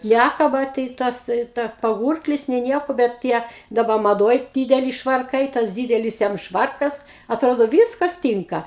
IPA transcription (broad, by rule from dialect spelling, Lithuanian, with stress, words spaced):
ˈnʲækɐbɐ tɐɪ ˈtɐs ˈtɐɪ tɐ pɐˈɡuːrklʲɪs nʲeː ˈnʲiɛkoː bʲɛt ˈtʲiɛ dɐˈbɐ mɐˈdoːj ˈdʲiːdʲɛlʲɪ ʃʋɐrˈkɐɪ tɐs ˈdʲiːdʲɛlʲɪs jɛm ˈʃʋɐrkɐs ɐtˈroːdoː ˈʋʲiːskɐs ˈtʲiːŋkɐ